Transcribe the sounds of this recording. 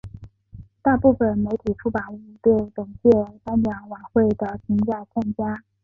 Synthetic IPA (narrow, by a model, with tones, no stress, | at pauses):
t̪a˥˧pu˥˩fə˨˩nme˧˥ɪt̪ʰi˨˩ʈ͡ʂʰu˥pa˨˩˦u˥˧t̪we˥˩ɪlɤ˨˩ŋt͡ɕjɛ˥˩t̪a˥njɑ˧˥ŋwa˧˥xwe˥˩ɪd̪ə˩t͡ɕʰi˧˥ŋt͡sa˥˩ɪt͡sʰa˥ŋt͡ɕja˥